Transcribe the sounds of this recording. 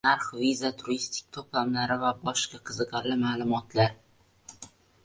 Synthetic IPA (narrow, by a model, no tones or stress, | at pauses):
naɾχvizat̪ʰʊɾist̪ʰɪ̥k̚ʲt̪ʰoplamlaɾɪvabɒʃqɑqʰɨzɨqɑɾlɪmaːlˠʊmɒt̪ʰlaɾ